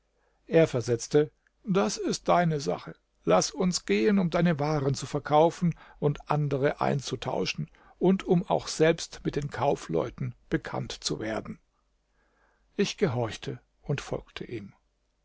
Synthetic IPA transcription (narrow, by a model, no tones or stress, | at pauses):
ʔeːɐfɛɐzɛt͡stə | d̥asɪst̚d̥aɪnəza̰χə | lasʊnsɡ̥eːənʊmdaɪnəvaːʁənt͡sufɛɐkʰaʊfn̩ʔʊntʔandəʁəʔa̰ɪnt͡sutʰa̰ʊʃn̩ | ʔʊntʊma̰ʊxz̥ɛlpstmɪt̚d̥eːnkʰaʊflɔ̰ʏtn̩b̥əkʰa̰ntt͡suveːɐdn̩ | ʔɪçɡ̥əɦɔɐçtʰə | ʊntfɔ̰lktʰə̰ʔiːm